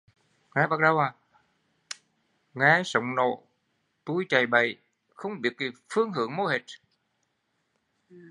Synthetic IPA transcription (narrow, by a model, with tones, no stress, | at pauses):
ŋaː˨˦ɓa˨˩k̚ɗə˧waː˨˩ | ŋaː˨˦sə˧˨wŋ͡mno̰˧˨ | t̪u˧˩jt͡ɕa˨˩jɓə̰˧˨j | xə˧˦wŋ͡mɓi˨˩ət̚ki˨˩fɨ˧˦əŋɦɨ̰˧˨əŋmo˧˦he˨˩t̚